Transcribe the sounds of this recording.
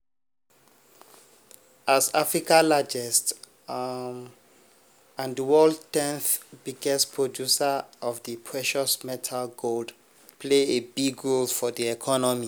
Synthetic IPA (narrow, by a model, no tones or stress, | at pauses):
ʔasafɹikalad͡ʒɛst | ãndəwɔldtɛ̃nθbiɡɛstpʰɹɔdjusaɔfdəpʰɹɛʃɔsmɛtʰalɡold | pʰleebiɡɹolfɔdiɛkʰɔnɔmi